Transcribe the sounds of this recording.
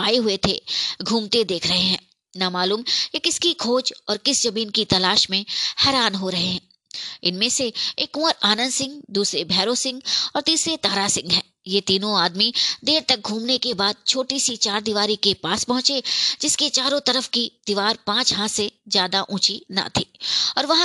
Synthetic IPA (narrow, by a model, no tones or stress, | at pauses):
aːeɦʊet̪ʰeɡʱuːmt̪ed̪eːkʰɾɐɦeɦɛ̃ː | namaːluːmjekɪskikʰoːd͡ʒɔːɾkɪsd͡ʒɐbiːnkit̪ɐlaːʃmẽhɛːɾaːnɦoɾɐɦeɦɛ̃ː | ɪnmẽseeːkʊ̃ːəɾaːnə̃nd̪sɪ̃ŋɡd̪uːsɾebʱɛːɾosɪ̃ŋɡɔːɾt̪iːsɾet̪aːɾasɪ̃ŋɡɦɛː | jet̪iːnõaːd̪mid̪eːɾt̪ɐk̚ɡʱuːmnekebaːd̪̚t͡ʃʰoːʈisit͡ʃaːɾd̪iʋaːɾikepaːspɐɦʊ̃t͡ʃed͡ʒɪsket͡ʃaːɾõt̪ɐɾəfkid̪̥iʋaːɾpãːt͡ʃɦãsezjaːd̪aʔũːt͡ʃina̰t̪ʰiːɔːɾʋɐɦã